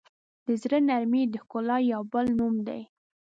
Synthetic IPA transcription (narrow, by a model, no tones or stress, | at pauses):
d̪̥əzɾənaɾmid̪əkʊlɑjawbəlnumd̪a̰j